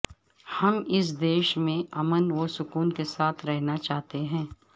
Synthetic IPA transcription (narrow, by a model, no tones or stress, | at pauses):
hɐmɪs̬d̪eːʃmẽʔɐmənʋosʊkuːnkesaːt̪ʰɾɛɦnat͡ʃaːɦt̪eɦɛ̃ː